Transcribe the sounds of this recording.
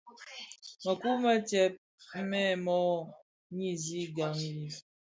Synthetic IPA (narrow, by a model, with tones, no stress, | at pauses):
ma˨ku˦ma˦tɛ˦p̚ | mɛ˦˨mɔ˦˨ | ɲi˦zi˦ɡa˨ŋi˦li˦